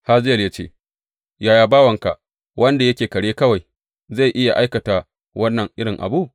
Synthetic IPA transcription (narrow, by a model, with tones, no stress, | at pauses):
ha˦zɪ˦jɐ˨lja˦t͡ʃḛː˦ | jaː˨jaː˦baː˦wɐ˨ŋka˨ʔ | wʔɐ˦nda˨jɐ˦kʲeː˨kɐ˨ɽeː˦kɐ˦wa˨j | za˦˨jʔɪ˦ja˨ʔa˦jkɐ˨ta˨ | wɐ˦nːɐ˨ŋʔɪ˦ɽɪ˨ŋʔa̰˨bu˦˨ʔ